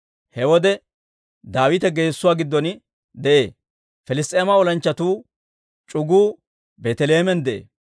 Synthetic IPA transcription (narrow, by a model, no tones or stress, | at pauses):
hɛwɔd̪ɛ | d̪aːwɪt̪ɛɡe̞ːsːʊwaːɡɪd̪ːɔn | d̪ɛʔe̞ː | fɛlɪst̪ʼeːmɐɔlɐnt͡ʃːɐt̪uː | t͡ʃʼʊɡuː | beːt̪ɛleːmɛnd̪ɛʔḛː